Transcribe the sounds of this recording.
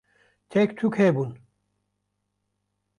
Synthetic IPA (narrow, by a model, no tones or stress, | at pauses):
t͡ɕʰekt̪ʰukʰebun